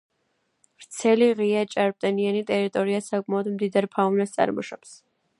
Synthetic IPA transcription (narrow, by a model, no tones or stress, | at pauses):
vɾt̪sʰɛliʁiat͡ʃʼaɾp̚t̪ʼɛnianit̪ʼɛɾit̪ʼɔɾiasakʼmaɔd̪md̪id̪aɾpʰaunɛst̪sʼa̰ɾmɔʃɔps